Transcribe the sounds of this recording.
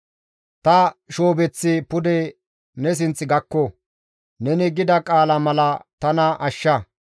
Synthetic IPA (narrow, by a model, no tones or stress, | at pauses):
t̪ɐʃoːbɛt͡sːɪpʊd̪ɛ | nɛs̬ɪnt͡sʼːɪɡɐkːɔ | nɛnɪɡɪd̪ɐkʼaːlɐmɐlɐt̪ɐnɐʔɐʃːɐ